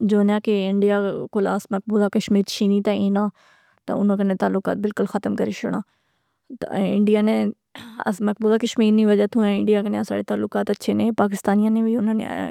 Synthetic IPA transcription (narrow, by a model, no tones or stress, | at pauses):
d͡ʒoːnjãːkeɪɳɖijakʊlaːsmɐk̚buːd̪akɐʃmiːɾt͡ʃʰiːnit̪ãĩːnãː | t̪ɐ̰ʊnə̃kɐnẽt̪aːlːʊka̰ːt̪̚bɪlkʊlxɐt̪əmkɐɾeʃʊɽ̃ãː | t̪ːɪɳɖijaːnẽ | ɐ̰smɐk̚buːd̪akɐʃmiːɾnĩʋɐd͡ʒat̪ʰũɛ̃ɪ̃ɳɖijakɐneasa̰ːɽet̪aːlːʊkaːt̪ɐtːʃʰenẽpaːkɪst̪aːnijãːnẽbʱiʊnənḛ